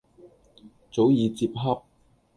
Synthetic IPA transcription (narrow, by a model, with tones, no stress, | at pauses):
t͡so˨˥wjiː˨˧t͡siː˧p̚ɦɐ˥p̚